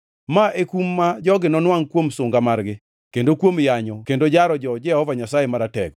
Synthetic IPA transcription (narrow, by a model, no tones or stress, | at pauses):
maʔekumːad͡ʒɔɡɪnɔnwaŋkwomsʊŋɡamarɡɪ | kendokwomjaɲɔkendod͡ʒaɾɔd͡ʒɔd͡ʒɪahɔvaɲasajemaɾatɛɡ